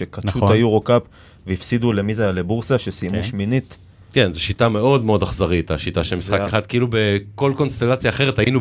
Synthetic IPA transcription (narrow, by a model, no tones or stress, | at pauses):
ekatfutajuʁokap | veifsid̪ule̞mizeajalebuʁsaʃesimuʃminit | ke̞nzeʃitame̞o̞d̪meo̞daχzaʁit̪aʃitaʃelmisχakeχad̪̚kiilubeko̞lko̞nst̪e̞lat͡sjaːχeʁetainu